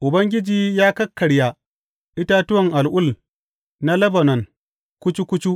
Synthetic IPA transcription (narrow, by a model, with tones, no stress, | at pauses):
ʔʊ˨bɐ˦ŋɡʲɪ˦d͡ʒiː˨jaː˦kɐ˦kːɐ˨ɽja˨ | ʔɪ˦ta˦tʊ˦wɐ˨ŋʔa˨lʔʊ˦˨l | na˦lɐ˦bɐ˨nɐ˨ŋ | kʷʊ˦t͡ʃi˦kʷʊ˦t͡ʃu˦ʔ